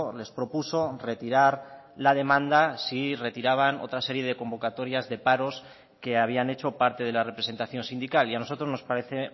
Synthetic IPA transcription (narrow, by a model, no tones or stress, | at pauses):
le̞spɾo̞puso̞re̞t̪iɾaɾ | laðe̞mãnd̪asire̞t̪iɾaβ̞ano̞̰t̪ɾase̞ɾje̞ð̞e̞ko̞mbo̞kat̪o̞ɾjazðe̞paɾo̞s | ke̞aβ̞ianet͡ʃo̞paɾt̪e̞ðe̞lare̞pɾese̞nt̪aθjo̞nsind̪ikaliano̞so̞t̪ɾo̞zno̞spaɾe̞θe̞